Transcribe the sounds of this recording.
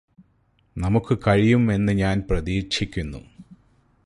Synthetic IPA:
nɐmukːɨkɐɻijume̞nːɨɲaːnprɐðiːɕʰikʲːunːṵ

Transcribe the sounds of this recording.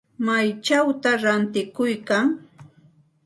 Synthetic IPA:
majt͡ʃawt̪aɾant̪ɪkʊjkaŋ

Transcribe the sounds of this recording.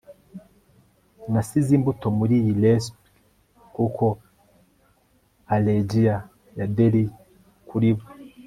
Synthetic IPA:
nasizimbuto̞muɾijilespi | kukʰo̞ | aleɟija | jadeɾi | kuɾiβo

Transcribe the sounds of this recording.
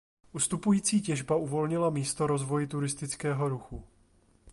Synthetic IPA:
ʔust̪upujiːt͡siːcɛʒbauvo̞lɲɪlamiːst̪o̞ɾo̞zvo̞jɪt̪uɾɪst̪ɪt͡skɛːɦo̞ɾuxu

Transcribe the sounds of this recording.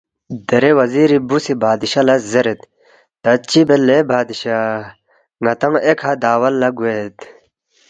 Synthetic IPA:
d̪eɾewɐziɾibusibaːd̪iɕalazeɾet̪̚ː | at͡ɕibelebaːd̪iɕa | ŋat̪aŋekʰad̪aːwɐlːaɡuet̪

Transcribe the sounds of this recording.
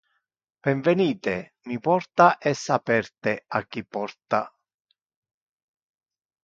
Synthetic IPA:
b̥ɛɱvɛniːt̪e | mipɔrt̪aʔɛsːapɛrt̪eakːipːɔrt̪a

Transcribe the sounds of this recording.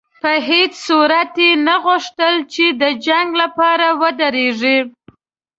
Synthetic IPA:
pəɦet͡ʃsuɾat̪jenaɣʊʂt̪əlt͡ʃed̪əd͡ʒaŋɡlapɑɾawəd̪əɾeʐi

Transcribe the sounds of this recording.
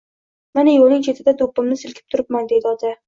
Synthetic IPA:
manɪjolˠnɪŋt͡ʃʰe̞t̪ʰɪd̪ad̪opːɪmnɪsɪlkʲʰɪ̥p̚t̪ʰʊɾɪp̚mand̪e̞d̪ɪɒt̪ʰa

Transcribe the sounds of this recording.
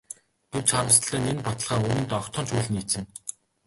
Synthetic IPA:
ɡ̥ew̥t͡ɕχaɾə̆st̪̆ɮæːnenpɔt̪ə̆ɮʁ̥aːŋunɘ̆nt̪ɔχt̪ʰɔːnt͡ɕʰuːɮɘ̆nit͡sɘ̆n

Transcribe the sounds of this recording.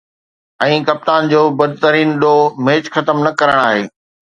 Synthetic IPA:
ɛ̃ːkɐp̚t̪aːnd͡ʑoːbɐd̪ʱt̪əɾiːnɗomeːt͡ɕxɐt̪əmnɐkɐɾəɽ̃aːɦeː

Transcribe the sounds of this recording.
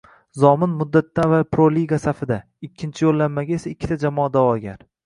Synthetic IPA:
zɒmɪnmʊd̪ːat̪ːavalpɾoliɡasafɪd̪a | ɪkʲʰːɪnt͡ʃʰɪjolːanmaɡʲaesaɪkʲʰːɪ̥t̪ʰad͡ʒamɒːad̪awɒɡʲaɾ

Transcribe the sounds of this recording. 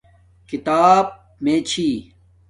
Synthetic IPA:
kit̪aːb̚ | meːt͡ɕʰiː

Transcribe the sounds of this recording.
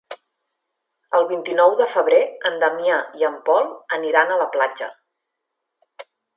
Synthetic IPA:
əlˠβint̪inɔwðəfəβ̞ɾeənd̪əmjaiəmpɔlˠəniɾanələplad͡ʒə̰

